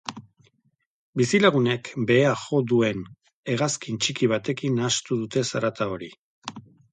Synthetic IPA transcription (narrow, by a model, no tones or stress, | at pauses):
bisilaɣune̞kbe̞ːaʝo̞d̪ue̞n | e̞ɣaskint͡ʃikiβ̞at̪e̞kinast̪uð̞ut̪e̞saɾat̪ao̞ɾi